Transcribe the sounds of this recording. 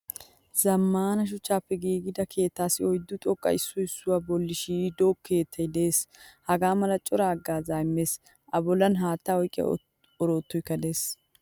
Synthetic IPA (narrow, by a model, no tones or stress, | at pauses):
zɐmːaːnɐʃ̬ʊt͡ʃːaːpːɛɡiːɡɪd̪ɐkʰe̞ːt̪ːaːsɪɔjd̪ːʊt̪ʼɔkʼːɐ̰ɪsːʊɪsːʊwabɔlːɪʃiːd̪oːkʰːe̞ːt̪ʰːɐjd̪eːshɐɡaːmɐlɐt͡ʃʼɔɾaːɡːaːzaːjmːe̞ːs | ʔɐbɔlɐnɦaːt̪ːaɔjkʼːɪjɐ̰ | ɔɾoːt̪ːɔjkːɐd̪e̞ːs